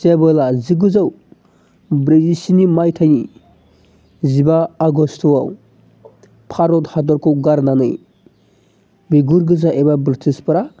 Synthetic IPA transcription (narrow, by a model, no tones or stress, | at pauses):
sebɯlaziɡɯzaw | bɾezisinimajtʰajni | zibaːɡɔstʰɔwaw | pʰaɾɔthadɔɾkʰɔwɡaɾnanɯj | biɡuɾɡɯzaʔebabɾitʰispɯɾa